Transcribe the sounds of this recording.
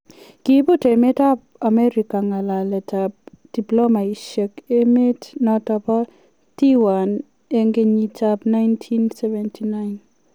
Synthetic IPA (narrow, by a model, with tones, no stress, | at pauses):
ki˦bu˦te˨me˦ta˦p̚a˨mɛ˦ɾi˨ka˨ŋa˨la˨lɛ˨ta˨p̚ | d̥i˨plo˦ma˨i˨ʃɛ˨ke˦me˦tnɔ˨tɔ˨pɔ˦ | ti˦wa˨n | e˦ŋɡe˨ɲi˨ta˦pna˦jntʰi˦nsɛ˦vɛ˨ntʰi˨na˦ɪn